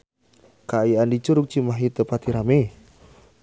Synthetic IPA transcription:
kaiandit͡ʃuɾuk̚t͡ʃimaɦit̪əpat̪iɾame

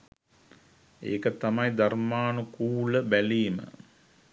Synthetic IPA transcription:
ḛːkət̪amɐjd̪armaːnukuːləbæliːmə̰

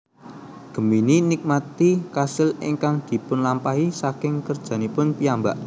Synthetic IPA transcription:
ɡ̥ə̤mininik̚mat̪ikasɪlɪ̰ŋkaŋd̪̥i̤pʊnlampaɦisakɪŋkərd̥ʒ̥a̤nipʊnpiambaʔ

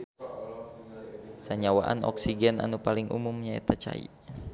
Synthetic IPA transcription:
saɲawaʔa̰nɔ̰ksiɡɛna̰nupaliŋʔṵmumɲaɛ̰t̪at͡ʃa̰ḭ

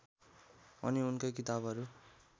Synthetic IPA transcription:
ʌ̰niunkajkit̪abʱʌɾu

